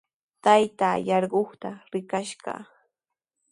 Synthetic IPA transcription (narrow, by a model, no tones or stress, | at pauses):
t̪ajt̪aːjɑɾɢoχt̪aɾɪkaʃɢɑ̰